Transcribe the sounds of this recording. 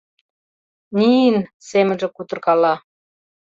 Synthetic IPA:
nʲinsemə̆nʒĕkut̪ɤ̆rkɑlɑ

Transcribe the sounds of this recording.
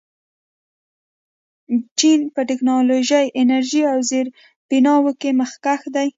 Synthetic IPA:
t͡ʃinpəʈɪknɑloʒajʔɪnaɾʒiawzeɾ | b̥inɑwəkeməxkaxd̪aj

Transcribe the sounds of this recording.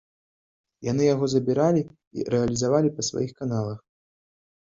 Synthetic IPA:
janɨjaɣɔzɐbʲiɾalʲi | ḭɾɛɐlʲizavalʲipɐsva̰jixkanalˠɐx

